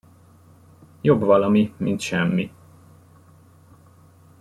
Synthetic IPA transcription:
jo̞bvɒlɒmimint̪ʃɛmːi

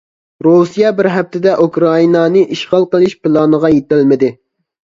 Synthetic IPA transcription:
ɾusijɛbɪɾɦɛp̚t̪ʰɪd̪ɛʔukɾɑinɑnɨʔiʃqɑlˠqəlˠɨʃpɪlˠɑnəʁɑjet̪ɪlmɪd̪ɪ

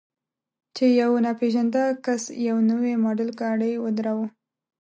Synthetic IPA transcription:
t͡ʃejawnapeʒand̪akasjawnəwemɑɖəlkɑɽəjwəd̪ɾawu

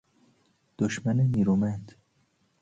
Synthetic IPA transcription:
d̪̥oʃmæneniːɾumænd̪

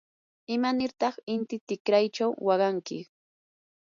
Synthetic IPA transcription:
ɪmanɪɾt̪ɑχɪnt̪ɪt̪ɪkɾajt͡ʃawːɑɢɑŋkɪ

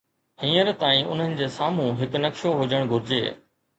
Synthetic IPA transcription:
hĩːəɾt̪aːĩʔʊ̰n̤ənɪ̆d͡ʑeːsaːm̤ũɦɪknɐkʃoɦʊd͡ʑəɽ̃ɡʱʊɾɪd͡ʑḛː

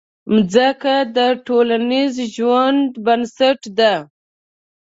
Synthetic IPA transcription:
md͡zəkad̪əʈolanizʒwand̪bansaʈd̪a

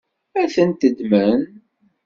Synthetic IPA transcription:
æθənt̪əd̪mən

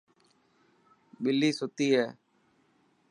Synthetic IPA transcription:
ɓɪlːiːsʊt̪iːɦɛː

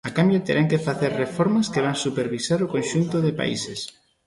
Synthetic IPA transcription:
akambjot̪eɾʔaŋkefaθeɾrefɔɾmɐskeβ̞aŋsupeɾβisaɾokõnʃunt̪ʊðepa̰ḭses

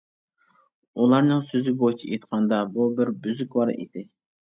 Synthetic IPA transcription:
ulˠɑɾnɨŋsøzɪbojt͡ʃʰiet̪qʰɑnd̪ɑbubɪɾbyzykʲwɑɾḭd̪ɪ

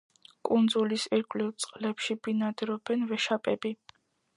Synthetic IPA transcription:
kʼund̪zulisiɾkʼlivt̪sʼqʼlɛpʃibinad̪ɾɔbɛnvɛʃapʼɛbi

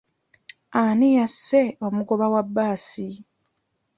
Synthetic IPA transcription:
anijasːeo̞muɡo̞βawabːaːsi

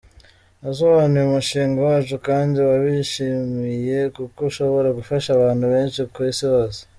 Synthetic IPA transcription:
azoβanujumuʃiːŋɡawaːt͡ʃukaːndiwaβiʃimije̞kukoʃo̞βo̞ɾaɡufaʃaβaːnhuβe̞ːnʃikwiːsihoːse̥

